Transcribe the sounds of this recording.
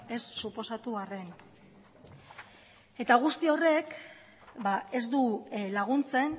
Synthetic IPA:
esːupo̞sat̪uare̞n | e̞t̪aɣ̞ust̪io̞re̞k | bae̞zd̪ulaɣunt͡se̞n

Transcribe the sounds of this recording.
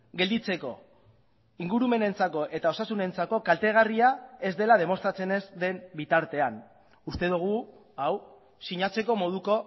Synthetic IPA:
ɡe̞ld̪it͡se̞ko̞ | iŋɡuɾume̞ne̞nt͡sako̞ʔe̞t̪ao̞sasune̞nt͡sako̞kalt̪e̞ɣ̞ariae̞zd̪e̞lað̞e̞mo̞st̪ɾat͡se̞ne̞zd̪e̞mbit̪aɾt̪e̞an | ust̪e̞ð̞uɣ̞u | aw | siɲat͡se̞ko̞mo̞ðuko̞

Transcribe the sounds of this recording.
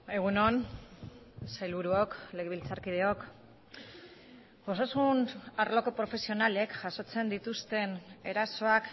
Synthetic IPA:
e̞ɣ̞uno̞n | sajlβuɾuokle̞ɣeβilt͡saɾkið̞eo̞k | ɡosasunaɾlo̞ko̞pɾo̞fe̞sio̞nale̞kʝaso̞t͡se̞nd̪it̪ust̪e̞ne̞ɾaso̞ak

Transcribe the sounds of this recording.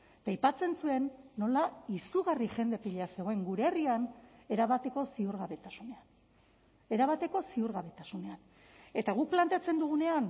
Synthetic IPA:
t̪ajpat͡se̞nsue̞nːo̞laisuɣariʝe̞nd̪e̞piʎease̞ɣ̞o̞e̞ŋɡuɾeriane̞ɾaβat̪e̞ko̞siuɾɣaβe̞t̪asune̞an | e̞ɾaβat̪e̞ko̞siuɾɣaβe̞t̪asune̞an | e̞t̪aɣ̞ukplant̪e̞at͡se̞nd̪uɣ̞une̞an

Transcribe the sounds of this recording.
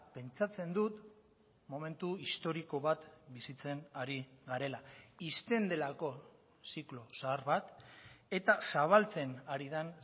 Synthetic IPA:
pe̞nt͡sat͡se̞nd̪ut̪ | mo̞me̞nt̪uist̪o̞ɾiko̞βat̪bisit͡se̞naɾiɡaɾe̞laist̪e̞nd̪e̞lako̞ | siklo̞saːɾβat̪e̞t̪asaβ̞alt͡se̞naɾiðan

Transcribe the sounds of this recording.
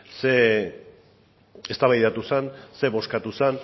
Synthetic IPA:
se | est̪aβajðat̪usanse̞βo̞skat̪usan

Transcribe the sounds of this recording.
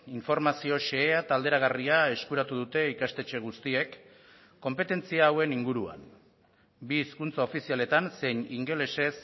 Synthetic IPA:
iɱfo̞ɾmasio̞ʃe̞ːat̪ald̪eɾaɣ̞ariae̞skuɾat̪uð̞ut̪e̞ikast̪e̞t͡ʃe̞ɣ̞ust̪ie̞kː | o̞mpe̞t̪e̞nt͡siaːwe̞niŋɡuɾua̰n | biːskunt͡sao̞fisiale̞t̪anse̞jɲiŋɡe̞le̞se̞s

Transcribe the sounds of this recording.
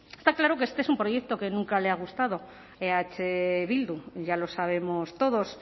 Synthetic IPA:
est̪aklaɾo̞keest̪eesumpɾo̞je̞k̚t̪o̞ke̞nũŋkale̞aɣ̞ust̪að̞o̞ | eat͡ʃeβild̪uʝalo̞saβ̞e̞mo̞st̪o̞ðo̞s

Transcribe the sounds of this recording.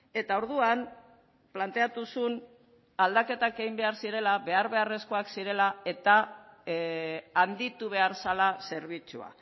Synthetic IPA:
e̞t̪ao̞ɾðuan | plant̪e̞at̪usun | ald̪ake̞t̪ake̞ɣimbe̞aɾsiɾe̞laβe̞aɾβe̞are̞sko̞aksiɾe̞lae̞t̪a | and̪it̪uβ̞e̞aɾsalase̞ɾβ̞it͡sṵa̰

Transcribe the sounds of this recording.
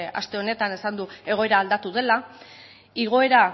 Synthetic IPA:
a̰st̪e̞o̞ne̞t̪ane̞sand̪ue̞ɣ̞o̞e̞ɾaːld̪at̪uð̞e̞la | iɣ̞o̞e̞ɾa

